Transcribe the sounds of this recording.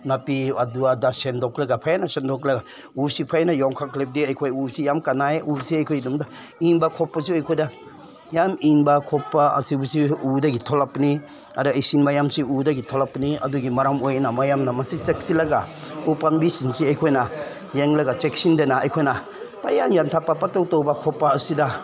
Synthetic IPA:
napiaduadasendɔklaɡapʰajanasendɔklaɡa | usipʰajnajɔŋkʰaklep̚diajkʰojusijamkanajusiajkʰojdumda | iŋbakʰɔpːas̬iojkʰojda | jamiŋbakʰɔpːaa̰sibusiudaɡitʰɔlapni | aɾuajsinbajamsiudɐɡitʰɔlapniɐ̰duɡimaɾamojnamajamnamɐsit͡ʃek̚silɐɡaupanbisinsiɐjkʰojna | jeŋlɐɡat͡ʃek̚sindenaɐ̰jkʰojna | paja̰mjantʰapːapatawtɔwbakʰɔpːaːsida

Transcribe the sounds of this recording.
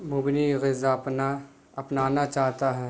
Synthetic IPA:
mʊbɪniɣɪzapna | ɐpnaːnat͡ʃaːɦt̪aɦɛː

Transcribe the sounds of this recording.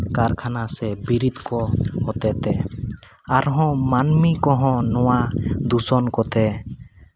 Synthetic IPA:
kaɾkʰanasɛbiɾid̪kɔhɔt̪ɛt̪ɛ | aɾɦɔ̃manmikɔɦɔ̃nɔwad̪usɔnkɔt̪ɛ

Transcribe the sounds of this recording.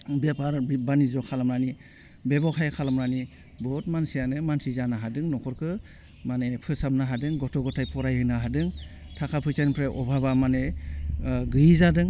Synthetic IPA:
bjapaɾbanizɔkʰalamɾani | bebɔkʰajkʰalamɾani | bɔt̚mansijanɯmansizanaɦadɯŋnɔkʰɔɾkʰɯ | manepʰɯsamnaɦadɯŋɡɔtʰɔɡɔtʰajpʰɔɾajhɯnaɦadɯŋ | tʰakʰapʰɯt͡ʃanpʰɾeʔɔbʱabamane | ɡɯjizadɯŋ

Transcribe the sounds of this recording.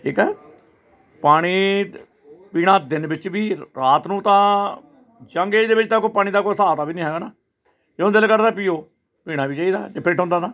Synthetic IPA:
iːkɛː | paːɽ̃iː | piːɽ̃ãːd̪ɪnbɪt͡ʃbiːɾaːt̪nũːt̪ãː | d͡ʒəŋɡeːd̪eːbɪt͡ʃt̪ãːkoːpaːɽ̃iːd̪aːkoːsaːt̪aːbiːnĩːɦɛːɡaːnaː | d͡ʒõd̪ɪlkəɾd̪aːpiːoː | piːɽ̃ãːbiːt͡ʃaːiːd̪aːd͡ʒeːpʰɪɾʈʰõːnd̪aːt̪ãː

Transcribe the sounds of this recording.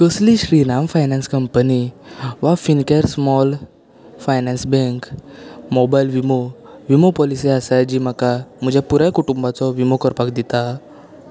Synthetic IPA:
kəsliɕɾinamfajnãnskəmpəniʋafinkeɾsmɔl | fajnansbẽŋkmobajlʋimo | ʋimopɔliseasajd͡ʑiːm̤akam̤əd͡ʑapuɾjakuʈumbat͡sɔʋimokəɾpakd̪it̪a

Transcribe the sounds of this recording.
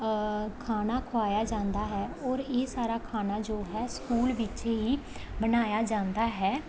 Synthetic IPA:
kʰaːnaːkʰʊaːjaːd͡ʒãːnd̪aːɦɛːɔːɾeːsaːɾaːkʰaːnaːd͡ʒoːɦɛːskuːlʋɪt͡ʃeɦiːbənaːjaːd͡ʒãːnd̪aːɦɛː

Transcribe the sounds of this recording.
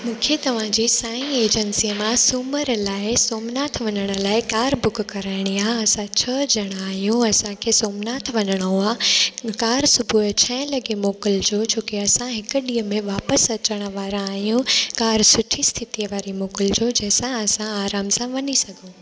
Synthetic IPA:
mũːkʰet̪ɐʋ̤ãd͡ʑiːsaːĩeːd͡ʑənsijəmãsuməɾlaːɪsoːmnaːt̪ʰʋɐnəɽ̃ə̆laːɪkaːɾbʊkʰkɐɾaːɪɽ̃iaːɦɐsãt͡ɕʰɐd͡ʑɐɽ̃aːɦijũɐsãkʰeːsoːmnaːt̪ʰʋɐnəɽ̃ooaːkaːɾsʊbʱut͡ɕʰɐ̃ɦɪ̃lɐɡemoːkɪld͡ʑoːt͡ɕoːkeɐsãɦɪkʊ̆ɗiːəmẽʋaːpəsɐt͡ɕəɽ̃ə̆ʋaːɾãaːɦijũkaːɾsʊʈʰist̪ʰɪt̪ijəʋaːɾimoːkɪld͡ʑod͡ʑɐ̃ɦɪ̃sãɐsãaːɾaːmsãʋɐnisɐɡʱũ

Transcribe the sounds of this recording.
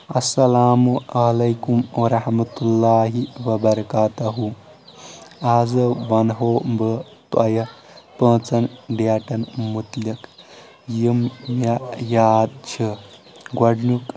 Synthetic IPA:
ɐsɐlaːmuɐlɐjkumʋɐɾɐhmɐt̪ulːaːɦiʋɐbɐɾɐkaːt̪ɐɦu | aːzɐʋɐnɦoːbə | t̪ɐjɐ | pə̃ːt͡sɐnɖjaːʈɐnmut̪lɐk | jimajaːd̪̚t͡ʃʰi | ɡwɐɖnuk

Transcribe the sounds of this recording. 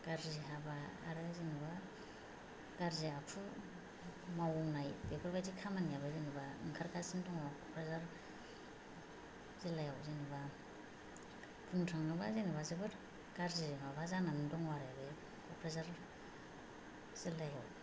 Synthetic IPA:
ɡ̥aɾziɦaba̰ːɾɯzinɯba | ɡ̥aɾzeakʰu | mawɔmnajbebʰɯɾbajzikʰamanjabazinibaɯŋkʰaɾkʰasindɔŋakʰɔpʰɾazaɾ | z̥ilajawziniba | pʰuntʰɾaŋnɯba̰zenɯbazɯbɯɾ | ɡ̥aɾzizimabazananɯdɔŋwaɾebe | kʰɔpʰɾazaɾ | z̥ilajaw

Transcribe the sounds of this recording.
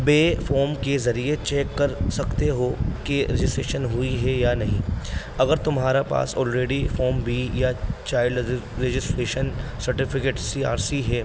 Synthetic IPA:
beːfoːɾmkezɐɾiet͡ʃɛːkːɐɾsɐkt̪eɦokeɾed͡ʒɪsʈɾeːʃənɦʊiɦɛjanɐɦĩ | ɐɡəɾt̪ʊmɦaːɾapa̰ːsɔ̰ːlɾeːɖifoːɾmbʱijat͡ʃaːɪɖɾed͡ʒɪsʈɾeːʃənsɐɾʈɪfɪkeːʈsiːa̰ːɾsiɦɛː

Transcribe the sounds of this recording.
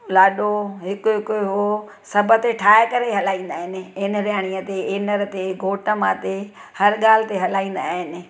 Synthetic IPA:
laːɗoɦɪkʊɦɪkʊɦo | sɐbʱət̪eʈʰaːɦɪkɐɾeɦɐlaːĩːn̆d̪aːɦɪnɪ̆ɪnɾjaːɽ̃iət̪eeːnəɾt̪eɡʱoːʈəmãːt̪e | hɐɾɠaːl̤ɪt̪eɦɐlaːĩːn̆d̪aːɦɪnɪ̆

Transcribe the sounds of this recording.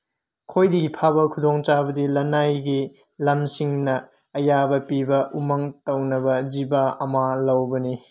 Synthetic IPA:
kʰojdiɡipʰabɐkʰudoŋt͡ʃabɐdilɐnajɡilɐmsiŋnɐː | jabɐpibɐumɐŋtɐwnɐbɐd͡ʒibaɐmalɐwbɐni

